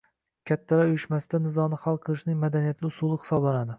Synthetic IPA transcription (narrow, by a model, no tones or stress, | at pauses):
kʲʰat̪ʰːaɾaʊjyʃmasɪd̪anɪzɒnɪχalˠqʰɨlˠɨʃnɪŋmad̪anijat̪ʰlɪʊsulˠɨχɨ̥sɒblˠanad̪ɪ